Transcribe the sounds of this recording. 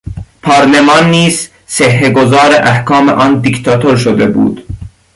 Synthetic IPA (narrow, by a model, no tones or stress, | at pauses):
pʰɑːɾlemɑːnːiːz̥ | sehːeɡozɑːɾeʔæhkɑːmḛʔɒːnd̪ikt̪ʰɑt̪ʰoɾʃod̪ebṵːd̪̥